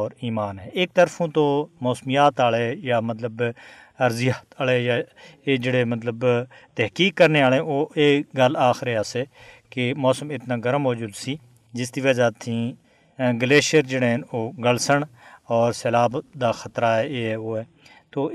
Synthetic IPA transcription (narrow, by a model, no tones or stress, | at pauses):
ɔːɾiːmaːnɦɛːʔɪːk̚t̪əɾfʰũːt̪oːmɔːsmɪjaːt̪aːleːjaːmət̪ləb | əɾzɪjaːt̪aːlejaːeːd͡ʒeːɽeːmət̪ləbt̪ɛɦkiːkːəɾneːaːlẽoːeːɡəlaːxɾeaːseːkemɔːsəmɪt̪naːɡəɾəmoːd͡ʒuːd̪siː | d͡ʒɪsd̪iːʋəd͡ʒaːt̪ʰĩː | ɡəleːʃəɾd͡ʒeːɽeɦnoːɡəlsəɳɔːɾsɛlaːbd̪aːxət̪ɾaːɦɛːeːɦɛːoːɛː | t̪oː